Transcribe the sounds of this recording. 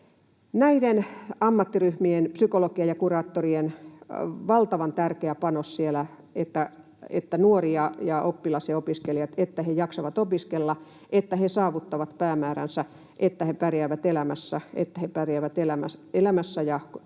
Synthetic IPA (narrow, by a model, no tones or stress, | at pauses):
næidenɑmːɑt̪ːiryhmienpsykolokiejɑkurɑːt̪ːorien | ʋɑlt̪ɑʋɑnt̪ærkeæpɑnossielæ | et̪ːæ | ḛt̪ːænuoriɑjɑʔopːilɑsiɑopiskelijɑt̪et̪ːæhejɑksɑʋɑt̪opiskelːɑ | ʔet̪ːæhesɑːʋut̪ːɑʋɑt̪pæːmæːɾæ̰nsæ | ʔet̪ːæhepærjæːʋæt̪elæmæsːæḛt̪ːæhepærjæːʋæt̪elæmæselæmæsːæjɑ